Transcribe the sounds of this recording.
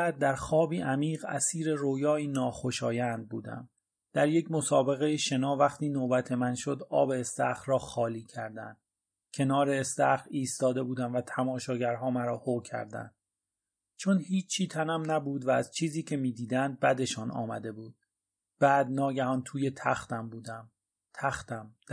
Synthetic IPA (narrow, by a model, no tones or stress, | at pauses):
æːd̪̚ːæɾxɒːbiːʔæmiːʁæ̰siːɾe̞ɾoːjɒːiːnɒːxoʃɒːjænd̪̚buːd̪æ̰m | d̪̥æɾjecʰmosɒːbe̞ɣe̞jeʃe̞nɒːvæχt̪ʰiːnoːbæt̪ʰe̞mænʃo̞d̪ɒ̰ːbe̞ːst̪æχrɒːxɒːliːcʰæɾd̪æ̰nd̪̥ | cʰe̞nɒːɾeːst̪æ̰χiːst̪ɒːd̪e̞buːd̪æmvæt̪ʰæmɒːʃɒːɟæɾɦɒːmæɾɒːhocʰæ̰ɾd̪æ̰nd̪̥ | t͡ʃʰo̞nhiːt͡ʃt͡ʃʰiːt̪ʰænæmnæbuːd̪vææz̥t͡ʃʰiːziːcʰe̞miːd̪iːd̪ænd̪̚bæd̪e̞ʃɒːnʔɒ̰ːmæ̰d̪e̞buːd̪̥̚ | b̥æːd̪nɒːɟæhɒːnt̪ʰuːje̞t̪ʰæxt̪æmbuːd̪æm | t̪ʰæxt̪æm